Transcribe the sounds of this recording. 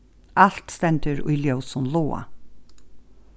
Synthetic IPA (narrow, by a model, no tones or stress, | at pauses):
al̥t̪st̪ɛnt̪əɾʊ̰jljœwsʊnloːa̰